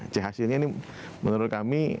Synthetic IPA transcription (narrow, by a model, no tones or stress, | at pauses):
t͡ʃɛɦasɪlɲanɪh | mənuɾʊt̪̚kami